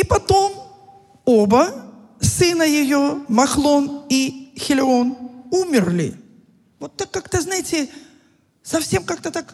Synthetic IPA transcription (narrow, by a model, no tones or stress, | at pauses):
ipɐt̪o̞m | obə | sɨnəjɪjomɐxlˠonixʲɪlʲɪonumʲɪrlʲɪ̰ | vot̪ːakːakt̪əznajɪtʲɪ | sɐfsʲe̞mkak̚t̪ət̪ak